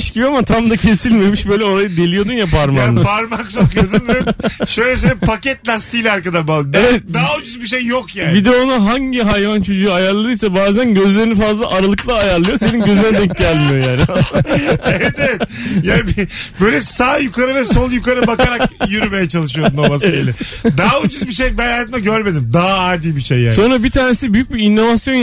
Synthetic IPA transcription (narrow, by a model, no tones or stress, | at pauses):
ʃɟibiamat̪ʰamd̪acʰe̞silʲme̞miʃbøjlʲɛo̞ɾajɯd̪e̞lʲijo̞d̪unjapʰaɾmapʰaɾmaksokʰujjod̪nvɛʃøjlʲɛs̬ølɛpʰacɛt̪lʲast̪ʰiːlʲɛaɾkad̪aɾbalevɛt̪̚d̪aːod͡ʒyzbiʃejːokjaːnbid̪ɛonuɦaɲɟiɦajvant͡ʃʰod͡ʒuːajaɾlˠaɾɯjsɛbaːzænɟø̞zlʲe̞ɾinifazlˠa̰ʔaɾalˠɯklˠaːjaɾlˠɯjo̞se̞ninɟø̞zynɛd̪ɛcɟælʲmijo̞jaːnɪ | evɛt̪ɛt̪jaːnbbøjlʲɛsaːjukaɾɯvɛso̞njukaɾɯbakʰaɾakkjyɾyme̞jɛt͡ʃʰalˠɯʃɯjo̞d̪unabasaɟelɛɛ | d̪aud͡ʒyzbiʃejbɛjaːt̪mɛɟøɾme̞d̪imd̪aɦaaːd̪iːbiʃejːa̰sːo̞nɾabit̪ʰaːne̞sibyjyc̚biːnːo̞vasjon